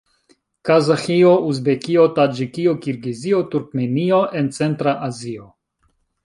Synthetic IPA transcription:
kazaxiouzbekiotad͡ʒikiokiɾɡiziotuɾkmenioʔent͡se̞ntɾaʔazio

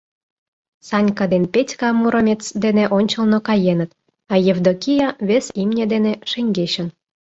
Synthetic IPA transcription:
sɑnʲkɑd̪enpʲetʲkɑmuɾə̆mʲet͡sd̪enĕʔonʲt͡ɕə̆lnokɑjenə̆t̪ | ɑjevd̪okʲijɑβʲesimnʲed̪enĕʃeŋʲɡeɕə̆n

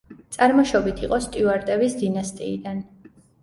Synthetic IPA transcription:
t̪sʼaɾmɔʃɔbit̪ʰiqʼɔst̪ʼiuaɾt̪ʼɛvisd̪inast̪ʼḭːd̪an

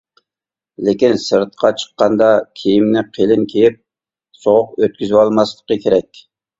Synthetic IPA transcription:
lekʲinsɨɾt̪̚qʰɑt͡ʃʰə̥qːɑnd̪ɑkʲʰijimnɪqʰelɪnkʲʰejip̚ | soʁʊq̚øt̪̚kʲyzɪwɑlˠmɑslˠə̥qəkʲʰeɾɛkʲ

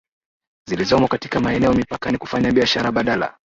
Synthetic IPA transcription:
zilizɔmɔkati̥kamaɛnɛɔmipakaniku̥faɲaɓiaʃaɾaɓaɗala̰

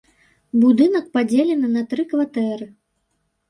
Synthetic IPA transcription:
bud̪ɨnɐk̚pad͡zʲelʲɛnɨnɐt̪ɾɨkvat̪ɛɾɨ

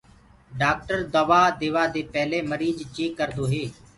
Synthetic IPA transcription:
ɖaːk̚ʈəɾd̪əʋaːd̪eːʋaːd̪eːpɛɦleːməɾiːd͡ʒt͡ʃeːkːəɾd̪oːɦeː

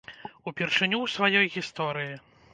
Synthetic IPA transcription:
upʲirʂɨnʲuwsvajɔjɣʲist̪ɔɾɨji

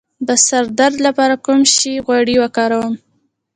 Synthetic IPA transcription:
d̪əsaɾd̪aɾd̪lapɑɾakumʃiɣwaɽiwakɑɾawəm

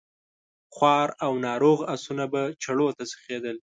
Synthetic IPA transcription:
xwɑɾawnɑɾoɣasunabat͡ʃaɽot̪asə̥xed̪əl

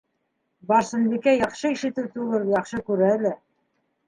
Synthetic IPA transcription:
bɑɾsɤ̆nbikæjɑqʃɤiʃɘ̆t̪ɘwt̪uʁɤlˠjɑχʃɤkʉɾæːlɘ

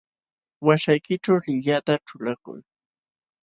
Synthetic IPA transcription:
waʃajkɪt͡ʃawlɪjat̪aʈ͡ʂʊlakʊ̰j

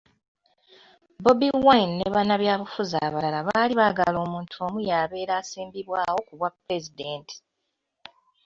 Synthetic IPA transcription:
bo̞biwanːeβanaβjaːβufuzaːβalalaβaːliβaɡa̰lo̞ːmuːntʰuomujaːβe̞ːɾaːsiːmbiβwaːwo̞kuβwapɾe̞zide̞ːntʰi̥

